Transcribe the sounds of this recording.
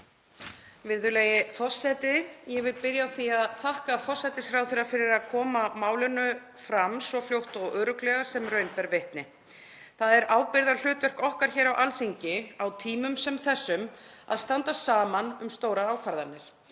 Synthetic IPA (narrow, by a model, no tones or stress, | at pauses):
vɪɾðʏlɛːjɪfɔsːɛːt̪ɪjɛvɪlpɪɾjaɔwθiaðθahkafɔsɛt̪ɪsfɾawθɪɾafɪɾɪɾaðkʰɔːmamaːwlʏnʏ | fɾamsvɔfljowht̪ɔɣœːɾʏklɛːɣḁsɛmrœɥnpɛɾveht̪nɪ | θaðɛɾʔaːwpɪɾðal̥ʏːt̪vɛr̥kɔhkaɾ̥çɛːɾawʔalθiɲcɪawt̪ʰiːmʏmsɛmθɛsːʏma̰ðst̪ant̪asaːmanʏmst̪oːwɾaaːwkʰvaɾðanːɪɾ̥